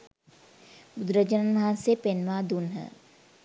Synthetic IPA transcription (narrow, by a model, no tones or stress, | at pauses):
bʊd̪ɾəd͡ʒənənmɐɦãnsepenʋaːd̪unɦə̰